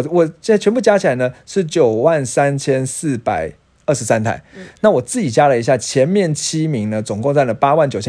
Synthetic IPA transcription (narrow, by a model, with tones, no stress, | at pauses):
wɔ˨˩t͡ɕa˥˩t͡ɕʰɥɛ˧˥npu˥˩t͡ɕja˥t͡ɕʰi˨˩a˧˦ɪnə˧ʂɻ̩˥˩t͡ɕjo˨˩ʊwa˥˩nsa˦nt͡ɕʰjɛ˥nsɹ̩˥˩pa˨˩ɪ | ə˥˩ʂɻ̩˧˥sa˦nt̪ʰa̰˥˩ɪna˥˩wɔ˨˩t͡sɹ̩˥˩t͡ɕi˨˩t͡ɕja˥lə˨i˧˥ɕ̬ja˥˩t͡ɕʰjɛ˧˥nmjɛ˥˨˩nt͡ɕʰi˦˥mi˧˥ŋd̪ə˨t͡sʊ˨˩ŋkʊ˥˧ŋt͡sa˥˩nlə˩pa˦wa˥˩nt͡ɕjo˨˩ʊt͡ɕʰɛ˥